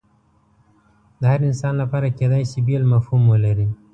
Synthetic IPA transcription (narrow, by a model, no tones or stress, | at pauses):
d̪̥əhaɾɪnsɑnlapɑɾaked̪ɑjsibelmafhumwəlaɾi